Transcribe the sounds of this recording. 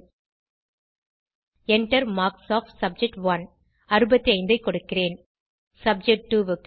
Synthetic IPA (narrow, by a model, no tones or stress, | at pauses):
ɛɳʈɐɾmaːksaːfʈsɐb̚d͡ʒɛk̚ʈʋɐn | ɐɾɯbɐt̪ːiɐɪnd̪ɐɪkːɔɽɯkːɪreːn | sɐb̚d͡ʒɛk̚ʈ̚ʈːuʋɯk